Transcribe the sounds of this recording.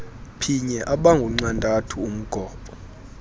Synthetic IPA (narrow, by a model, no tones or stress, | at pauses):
pʰiɲɛʔaɓaŋɡʱuŋ͡ǀandʱʼatʰuum̩ɡ̥ʱɔːpʼɔ